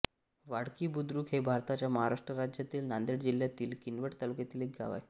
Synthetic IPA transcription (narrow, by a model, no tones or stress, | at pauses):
ʋaɽkiːbud̪ɾuːkɦebʱaɾt̪at͡ɕjaməɦaɾaʂʈɾəɾad͡ʑjat̪iːlnand̪eɽd͡ʑil̤jat̪iːlkinʋəʈt̪alukjat̪iːlek̚ɡa̰ʋa̰j